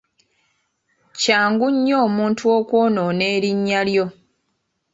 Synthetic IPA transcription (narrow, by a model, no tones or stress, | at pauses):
caːŋɡuɲːo̞ːmuːntʰuo̞ːkwoːnone̞ːɾiɲːaljo̞